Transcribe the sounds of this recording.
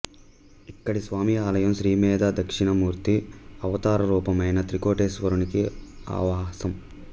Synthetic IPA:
ikːɐɽisʋaːmiaːlɐjɐmʃɾiːmɛːd̪ʱad̪ɐkʂiɳɐmuːɾt̪iɐʋɐt̪aːɾɐɾuːpɐmɐjnɐt̪ɾikoːʈeːsʋɐɾunikia̰ːʋaːsɐm

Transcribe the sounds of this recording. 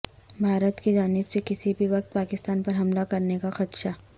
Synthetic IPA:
bʱaːɾət̪kid͡ʒaːnɪbsekɪsibʱiʋɐq̚t̪̚paːkɪst̪aːnpɐɾɦɐmlakɐɾnekaxɐt̪ʃaː

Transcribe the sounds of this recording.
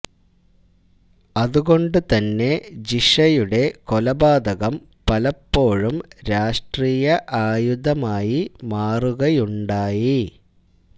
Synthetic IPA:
ɐðuɣo̞ɳɖɨt̪ɐnːe̞d͡ʑiʂɐjuɽe̞kolɐbaːd̪ɐɣɐm | pɐlɐpːo̞ːɻumɾaːʂʈriːjɐʔaːjud̪ʱɐmaːjimaːruɣɐjuɳɖaːji

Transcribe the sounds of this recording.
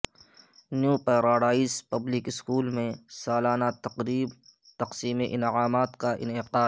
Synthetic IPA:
njuːpeɾaːɽaːispəblɪkɪskuːlmẽsaːlaːnat̪ɐqɾiːb | t̪ɐqsiːmeʔɪnʕaːmaːt̪kaʔɪ̰nɪqaː

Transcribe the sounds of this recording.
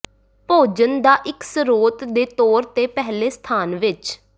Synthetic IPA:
poːd͡ʒənd̪aːʔɪksəɾoːt̪d̪eːt̪oːɾt̪eːpɛɦleːst̪ʰaːnʋɪt͡ʃ

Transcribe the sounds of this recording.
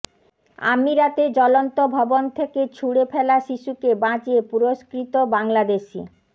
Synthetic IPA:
a̰miɾat̪ed͡ʑɔlont̪obʱɔbont̪ʰeket͡ɕʰuɽefɛlaʃiʃukebãd͡ʑiepuɾoskɾit̪obaŋlad̪eʃḭ

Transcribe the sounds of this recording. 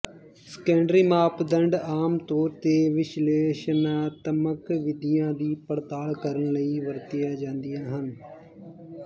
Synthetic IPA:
skɛ̃ːɳɖɾiːmaːpd̪əɳɖaːmt̪oːɾt̪eːʋɪʃleːʃnãːt̪əməkʋɪd̪ɪjãːd̪iːpəɽt̪aːlkəɾənləiːʋəɾt̪ɪjaːd͡ʒãːnd̪ɪjãːɦən

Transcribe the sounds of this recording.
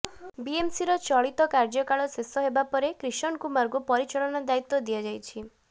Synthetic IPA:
biemsiɾɔt͡ʃɔɭit̪ɔkaɾd͡ʒɔkaɭɔsesɔɦebapɔɾekɾiʃɔnkumaɾɡupɔɾit͡ʃɔɭɔnɔd̪ait̪ːɔd̪ijad͡ʒajt͡ʃʰi

